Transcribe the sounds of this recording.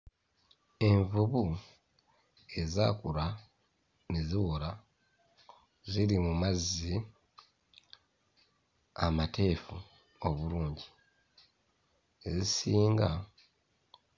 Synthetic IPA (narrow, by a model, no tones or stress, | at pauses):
e̞ɱvuβu | e̞za̰ːkuɾa | ne̞ziwola | zilimumazːi | amate̞ːfu | oβuluːɲɟi | ezisiːŋɡa